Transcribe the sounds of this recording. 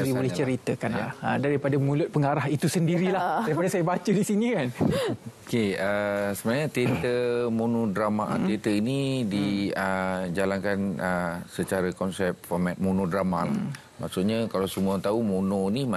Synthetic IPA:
ɾibolɛht͡ʃəɾit̪əkana̰ədaɾipadamũlʊt̪̚pəŋaɾaɦit̪usəndiɾilaaɾipadasajabat͡ʃədisinikan | keəsəbənaɲat̪et̪əmunõdɾamaʔt̪et̪əinidiəd͡ʒalankanəsət͡ʃaɾakɔnsɛp̚fɔmɛt̪̚munodɾamal | maʔsuʔɲakalawsəmuat̪aumunonima

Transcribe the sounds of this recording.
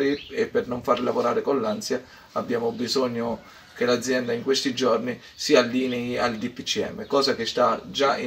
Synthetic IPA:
ɾiepːɪrnoɱfarlavoɾaːɾɪkonlansja | abːjaːmʊbizɔɲːo | kelad̪zːjɛnd̪aiŋkwest̪id͡ʒɔrni | sialːiːniald̪ipːit͡ʃːiɛ̰mːekɔːzak̟est̪ad͡ʒai

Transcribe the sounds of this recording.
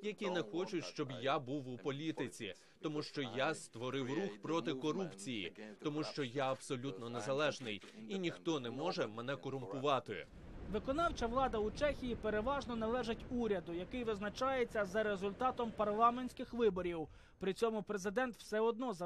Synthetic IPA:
jɐkʲinɛxɔt͡ʃʊtʲʃt͡ʃɔbjabuwupɔlʲit̪ɪt͡sʲḭ | t̪ɔmuʃt͡ʃɔjast̪ʋɔɾɪwruxpɾɔt̪ɪkɔɾupt͡sʲijḭt̪ɔmuʃt͡ʃɔjaɐbsɔlʲut̪nɔnezɐlˠɛʒnɪj | inʲixt̪ɔnɛmɔʒɛmɛnɛkɔɾʊmpʊʋɑt̪ɪ̰ | ʋɪkɔnɑwt͡ʃɐʋlˠɑd̪ɐut͡ʃɛxʲijipeɾeʋɑʒnɔnɐlˠɛʒɪtʲuɾʲɐd̪ʊjɐkɪjʋɪznɐt͡ʃɑjet͡sʲːɐzɐɾe̞zʊlʲt̪ɑt̪ɔmpɐrlˠɑmenʲsʲkɪxʋɪbɔɾʲiw | pɾɪt͡sʲɔmʊpɾezɪd̪ɛnt̪wsɛɔd̪̚nɔzɐ

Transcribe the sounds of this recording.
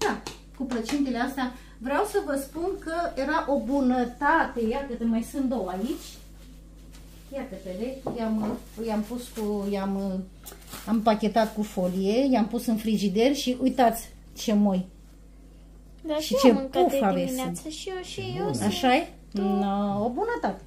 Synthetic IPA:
d̪̥a | kuplət͡ʃint̪ileast̪ea | vɾeawsəvəspunkəje̞ɾaʔo̞bunət̪at̪e̞jat̪əd̪əmajsɨnt̪d̪owait͡ʃʲ | jat̪əkədekjam | jampuskujam | ampakʲe̞t̪at̪kufolije̞jampusɨnfɾiʒid̪e̞rʲʃiʔujt̪at̪sʲ | t͡ʃe̞mo̞j | ʃit͡ʃeufavesʃiaʃaje | obunət̪at̪e

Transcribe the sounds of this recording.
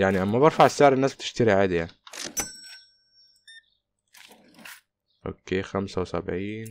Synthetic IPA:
jaʕniʔæmːæbɑɾˤfaʕesːeʕɾenːæːsb̚t̪e̥ʃt̪æɾiʕaːd̪ijaʕni | ʔo̰kːeːxæmsæwsæ̰bʕiːn

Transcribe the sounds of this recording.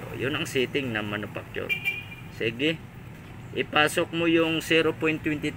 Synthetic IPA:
o̰jʊnɐŋsiːt̪ɪŋnɐmɐnʊfa̰k̚t͡ʃʊ̰ɾ | siɡɪ | ʔɪpaːsok̚mojʊŋsiːɾopojnt̪ːwɛnt̪ɪt̪

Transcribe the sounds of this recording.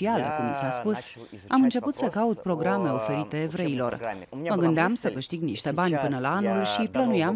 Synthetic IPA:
ialḛkumsaspus | amɨnt͡ʃe̞put̪səkaut̪̚pɾo̞ɡɾame̞o̞fe̞ɾit̪e̞ːvɾe̞ilo̞̰rməɡɨnd̪eamsəkɨʃt̪iɡniʃt̪e̞banʲpɨnəlaanulʃiplənujam

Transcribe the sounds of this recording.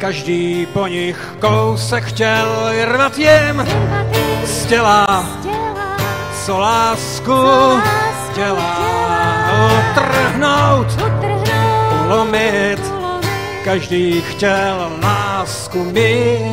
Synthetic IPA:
kaʒdiːpoɲɪxkowsɛkxcɛlrvat̪jɪm | scɛla | solaːsku | cɛla | t̪rɦnowt̪ | lomɪt̪ | kaʒdiːxcɛllaːskumɪ

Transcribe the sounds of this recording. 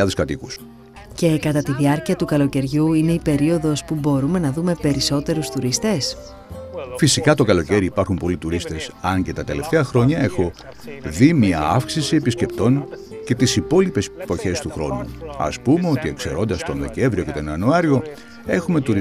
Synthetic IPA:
ɐðeskɐt̪ikus | ce̞kɐt̪ɐt̪iðiɐɾciɐt̪ukɐlo̞ce̞ɾʝuine̞ipe̞ɾio̞ðo̞spubo̞ɾume̞nɐðume̞pe̞ɾiso̞t̪e̞ɾust̪uɾist̪e̞s | fisikɐt̪o̞kɐlo̞ce̞ɾiːpɐɾxumpo̞lit̪uɾist̪e̞sɐɲce̞t̪ɐt̪e̞le̞ft̪e̞ɐxɾo̞ɲɐe̞xo̞ | ðimɲiɐɐfksisie̞pisce̞pt̪o̞ŋ | ce̞t̪isipo̞lipe̞spo̞çe̞st̪uxɾo̞̰nṵɐ̰spume̞o̞t̪ie̞kse̞ɾo̞nd̪ɐst̪o̞nðe̞ce̞ɱvɾio̞ce̞t̪o̞nɐnuɐɾio̞ | e̞xume̞t̪uɾ

